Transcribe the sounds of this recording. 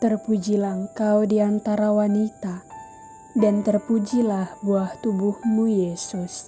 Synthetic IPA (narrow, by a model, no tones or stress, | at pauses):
t̪ərpud͡ʒilaəŋkawdiant̪aɾawanit̪a | dant̪ərpud͡ʒilahbuaht̪ubuhmujesus